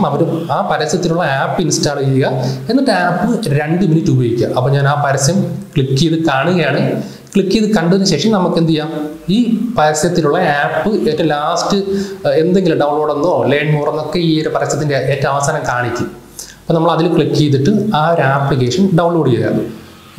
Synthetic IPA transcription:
mɐʋɐɾumaːpɐɾɐsɐt̪ːiluɭːɐaːpːinstaːɭiɣɐe̞nːɐʈːaːpːɨɾeɳɖɨminitːuboːjikʲːɐ̰ʔɐpːoːɲaːnaːpɐɾɐsjɐmkɭikːijɐðɨkaːɳuɣɐjaːɳɨ | kɭikːijɐðɨkɐɳɖuðinːɨɕekʂɐmnɐmukːend̪ijaːm | iːpɐɾɐsjɐt̪ːiluɭːɐaːpːɨeːtːɐmlaːstɨe̞nd̪e̞ŋɡiluɖɐwɳlo̞ːɽenːoːleːɳɖmuːrɐnːo̞kːe̞iːoɾupɐɾɐsjɐt̪ːindeːtːɐɐʋɐsaːnɐmkaːɳikʲːum | ɐpːoːnɐmːɐɭɐðilkɭikːijt̪̬ːiʈːɨaːoɾaːplikːeːʂɐnɖɐwɳloːɽijɐlːɐ̰

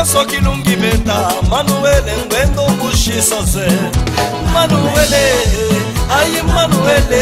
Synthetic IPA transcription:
asɔkiluŋɡiβɛnt̪ʼamanuwɛlɛŋɡʱwɛnt̪ʼɔk̬ʼuʃisɔd͡zɛ | manuwɛlɛ | ajimanuwɛlɛ

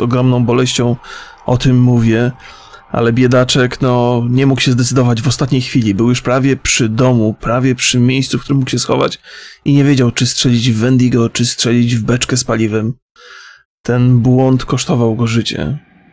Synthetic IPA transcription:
zɔɡɾɔmnɔ̃w̃bɔlɛɕt͡ɕɔ̃w̃ | ɔt̪ɘmːuvʲjɛ | ʔa̰lɛbʲjɛd̪at͡ʂɛknɔɲɛmukɕɛzd̪ɛt̪sɘd̪ɔvad͡ʑvɔst̪at̪ɲejxfʲilʲibɘwjuʂpɾavʲjɛpʂɘd̪ɔmupɾavʲjɛpʂɘmʲjejssufkt̪uɾɘmːukɕɛsxɔva̰t͡ɕiɲɛvʲjed͡ʑawt͡ʂɨstʂɛlʲid͡ʑvːɛnd̪iɡɔt͡ʂɘstʂɛlʲid͡ʑvbɛt͡ʂkɛspalʲivɛm | t̪ɛnbwɔnt̪kɔʂt̪ɔvawɡɔʐɘt͡ɕɛ̰

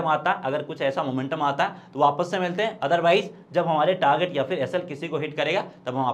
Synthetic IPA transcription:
əmaːt̪aɦɛʔɐɡəɾkʊt͡ʃʰɛːsamoːmẽɳʈəmaːt̪aɦɛt̪oʋaːpəsːemɪlt̪eɦɛ̃ɐd̪əɾʋaːɪz | d͡ʒɐbɦɐmaːɾeʈaːɾɡeʈjapʰɪɾɛːsəlkɪsikoɦɪʈkɐɾeːɡat̪ɐbɦɐmaː

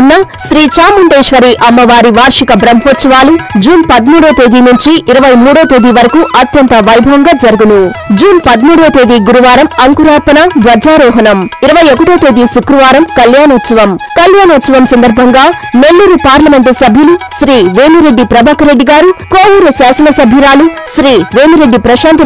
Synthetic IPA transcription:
nːɐ | ʃɾiːt͡ʃaːmuɳʈeːʂʋɐɾiʔɐmːɐʋaːɾiʋaːɾʂikɐbɾɐmɦoːt̪sɐʋaːlud͡ʒuːnpɐd̪muːɽoːt̪e̞ːd̪inuɲt͡ʃiʔːɾɐʋɐjmuːɽoːt̪e̞ːd̪iʋɐɾɐkuʔɐt̪jɐnt̪ɐʋɐjbʱɐŋɡaːd͡ʒɐɾuɡunu | d͡ʒuːnpɐd̪muːɽoːt̪eːd̪iɡuɾuʋaːɾɐmɐŋkuɾaːpɐnɐd̪ʋɐd͡ʒaːɾɔːɦɐnɐmiɾɐʋɐjokːɐʈoːt̪e̞ːd̪iʃukɾuʋaːɾɐmkɐljaːnoːt̪sɐʋɐmkɐljaːnoːt̪sɐʋɐmsɐnd̪ɐɾbʱɐŋɡaːme̞lːuːɾupaːɾlɐme̞ɳʈusɐbʱjuluʃɾiːʋeːmiɾe̞ɖːipɾɐbaːkɐɾe̞ɖːiɡaːɾukoːwuɾusaːsɐnɐsɐbʱiɾaːluʃɾiːʋe̞ːmiɾe̞ɖːipɾɐʃaːnt̪̬i

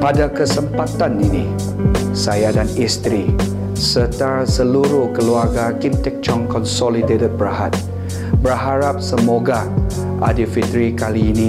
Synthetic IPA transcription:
padakəsəmpat̪aninḭ | sajadanist̪ɾi | sət̪asəluɾuhkəluarɡakimt̪ɛk̚t͡ʃɔŋkɔnsɔlidetət̚bəɾaɦa̰t̪̚ | bərɦaɾap̚səmoɡa | ʔa̰difit̪ɾikaliːni

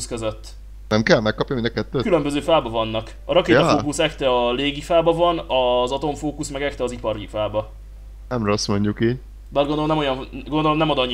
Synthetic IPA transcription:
skøzøt̪ː | nɛmkɛlmɛkːɒpjɔmĩnɒkɛt̪ːøːkylømbøzøːfaːbɒvɒnːɒk | ɒɾɒkeːokusɛkt̪ɛɒleːɡifaːbɒvɒnɒzɒt̪o̞ɱfoːkusmɛɡɛkt̪ɛɒzipɒɾifaːbɒ | nɛmɾɛɒsmo̞ɲɟukiːɟ | baːd̪ɡond̪oomnɛmo̞jɒnɡond̪o̞lomnɛmɒd̪ɒɲː

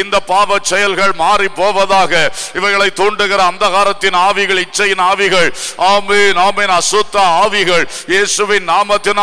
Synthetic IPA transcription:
ɪnd̪ɐpːaːʋɐt͡ʃːɛjɐlɣɐɭmaːripːoːʋɐðaːɣɐɪʋɐɪɣɐɭɐɪt̪ːoːɳɖɯɣɪɾɐːnd̪ɐɣaːɾɐt̪ːɪnaːʋɪɣɐɭɪt͡ʃːɐjɪnaːʋɪɣɐɭaːmenaːmeːnɐsʊt̪ːɐaːʋɪɣɐɭ | jeːsɯʋɪnːaːmɐt̪ːɪn

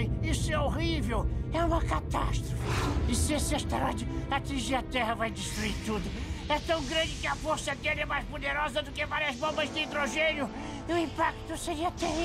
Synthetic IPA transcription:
j̃isʊɛoʁivewɛũmɐkat̪a̰st̪ɾofɪɪsɪesɪaʃt̪eɾɔd͡ʒɪat͡ʃĩʒiɾɐt̪ɛhɐvajd̪iʃt̪ɾuiɾt̪ud̪ʊɛt̪ɐ̃w̃ɡɾɐ̃nd͡ʒɪkɪɐfoɾsɐɡ̪ɛlɛmajzpod̪eɾɔzɐd̪ʊkɪvaɾiɐzbõmbɐzd̪ɪĩd̪ɾoʒẽnjʊ | ʊĩpak̚t̪ʊseɾiɐt̪ẽ

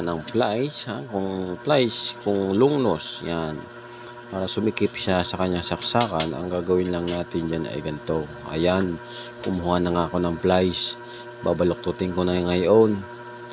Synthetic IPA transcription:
nɐŋplajshakʊŋplajskʊŋlʊŋnosjan | paːɾɐsʊmɪkɪpʃasɐkɐɲːaŋsɐksaːkanɐ̰ŋɡaːɡɐwɪnlɐŋnaːt̪ɪnd͡ʒanɐ̰ʔɛ̰vɛnt̪o | ʔɐ̰jan | kʊmhʊanɐŋako̞nɐŋplajs | baːbɐlok̚t̪ut̪ɪŋkonɐŋajʔon

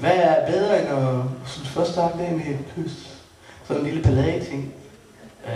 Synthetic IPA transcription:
ʋææɐb̥eð̞ˠʁɐenɒsnfɶɐsd̥ɑ̈ɡ̥d̥æmeed̥pʰøsd̥ | sɒ̽nenliləb̥ʰælɛð̰ˠit͡sʰe̝ŋ̰

